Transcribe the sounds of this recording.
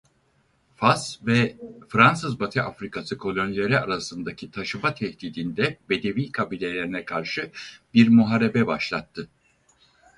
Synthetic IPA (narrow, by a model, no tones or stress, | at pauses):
fasvɛfɾans̬ɯzbat̪ʰɯʔafɾikasɯkʰo̞lʲonilʲeɾiaɾasɯnd̪acʰit̪ʰaʃɯbat̪ʰɛht̪iːd̪ind̪ɛbe̞d̪e̞viːkʰabiːlʲe̞lʲe̞ɾinɛkʰaɾʃɯbiɾmuɦaɾe̞bɛbaʃlˠat̪ʰːɯ